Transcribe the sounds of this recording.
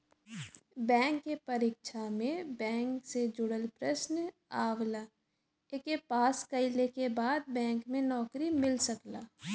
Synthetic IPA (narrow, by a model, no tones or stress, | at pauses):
bɛ̃ːŋkːepɐɾiːkʃamẽbɛ̃ːŋksed͡ʒʊɽəlpɾəsn | aːwla | ekepaːskəɪlekebaːd̪̚bɛ̃ːŋkmẽnɔːkɾimɪlsəklaː